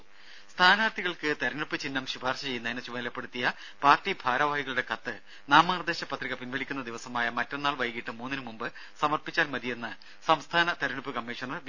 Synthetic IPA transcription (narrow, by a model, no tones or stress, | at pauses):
st̪ʰaːnaːrt̪ʰiɣɐɭkɨt̪ɐɾuɳupːɨt͡ɕinːɐmɕubʱaːrɕɐt͡ɕe̞jːunːɐinɨt͡ɕuʋɐnilɐpːeɽut̪ːijɐ | paːrtːibʱaːɾɐʋaːjiɣɐɭuɽe̞kɐt̪ːɨ | naːmaːrd̪e̞ːɕɐpːɐt̪riɣɐpinʋɐɭikʲːunːɐd̪iʋɐsɐmaːjɐmɐtːenːaːɭʋɐjkiʈːɨmuːnːinɨmumbɨ | sɐmɐrpit͡ɕːaːlmɐd̪ʱijenːɨ | sɐmst̪ʰaːnɐt̪ɐɾuɳupːɨkɐmːiːʂɐnɐr